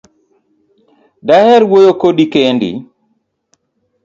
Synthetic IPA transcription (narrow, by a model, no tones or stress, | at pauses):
dahɛɾwojokodikendḭ